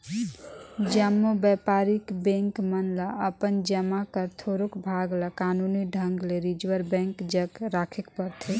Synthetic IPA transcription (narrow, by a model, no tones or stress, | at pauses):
d͡ʒamːobɛpaɾikbɛ̃ŋkmənlaəpənd͡ʒəmakəɾt̪ʰoɾukbʱaɡlakanuniɖʱəŋɡleɾid͡ʒwəɾbɛ̃ŋkd͡ʒəɡɾakʰekpəɾt̪ʰe